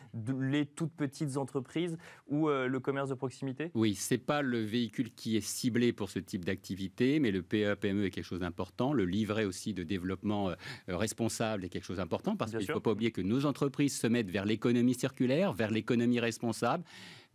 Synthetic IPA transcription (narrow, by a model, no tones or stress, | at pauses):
let̪ut̪̚pət̪ʰit̪zɑ̃t̪χəpχizuøləkɔmɛʁsd̪əpχɔksimit̪ewisɛpaləveikʲylkʲʰiɛsiblepuʁsət̪ʰip̚d̪ak̚t̪ʰivit̪emɛləpeøpeɛmøɛkʲɛlkəʃozd̪ɛ̃pɔʁt̪ɑ̃ləlivʁeosid̪əd̪evlɔpmɑ̃øʁɛspɔ̃sablɛkʲɛlkə̥ʃozd̪ɛ̃pɔʁt̪ɑ̃paʁsəj̃kilfopaublijekənozɑ̃t̪χəpχizsəmɛt̪vɛʁlekɔnɔmisiʁkʲylɛʁvɛʁlekɔnɔmiʁɛspɔ̃sabl